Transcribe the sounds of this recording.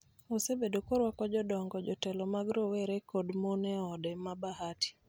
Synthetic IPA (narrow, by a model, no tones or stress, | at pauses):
osebedokoɾwakɔd͡ʒɔdɔŋɡɔd͡ʒɔtɛlɔmaɡɾowɛɾekodmonɛɔdɛmabahati̥